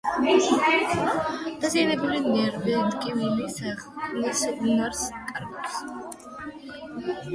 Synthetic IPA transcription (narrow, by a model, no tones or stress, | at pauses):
d̪̥azianɛbulinɛɾbɛd̪ɡʼimilisanisɛd̪naɾskʼaɾɡaps